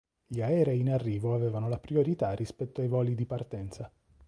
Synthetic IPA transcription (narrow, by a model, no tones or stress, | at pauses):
ʎiaɛːɾɛinarːiːvoavɛːvanolapɾioɾit̪arːispɛt̪ːoajvɔːlid̪ipart̪ɛnt̪sa